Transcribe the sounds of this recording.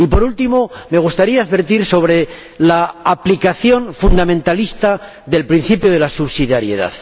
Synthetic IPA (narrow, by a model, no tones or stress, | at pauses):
ipo̞ɾult̪imo̞me̞ɣ̞ust̪aɾiaːðβe̞ɾt̪iɾso̞β̞ɾe̞ | laːplikaθjo̞nfund̪amẽ̞nt̪alist̪a | ðe̞lpɾin̟θipjoð̞e̞lasuβsiðjaɾje̞̰ð̞a̰ð